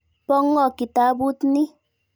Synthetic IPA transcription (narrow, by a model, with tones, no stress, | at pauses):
pɔ˦ŋːɔ˦˨ki˨ta˨˦bu˦tni˦